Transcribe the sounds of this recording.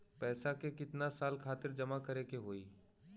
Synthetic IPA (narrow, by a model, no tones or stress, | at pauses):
pɛːsakekɪt̪nasaːlkʰaːt̪ɪɾd͡ʒɐmakɐɾekeɦoːiː